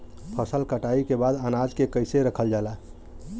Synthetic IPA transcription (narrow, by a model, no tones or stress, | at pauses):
pʰəsəlkəʈaːikebaːd̪ənad͡ʒkekəɪseɾəkʰəld͡ʒaːlaː